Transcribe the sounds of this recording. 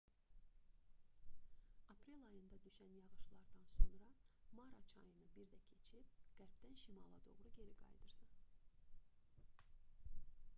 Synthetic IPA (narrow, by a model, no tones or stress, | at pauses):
ɑpʰɾelʲɑjɯnd̪ɑd̪yʃænjɑʁɯʃlˠɑɾd̪ɑnso̞nɾɑmɑɾɑt͡ʃʰɑ̰jɯnɯbiɾd̪æcʰe̞t͡ʃʰip̚ɡ̥æɾpd̪ænʃimɑ̰lˠɑ̰d̪o̞ʁɾuɟe̞ɾiɡɑ̰jd̪ɯɾsɑ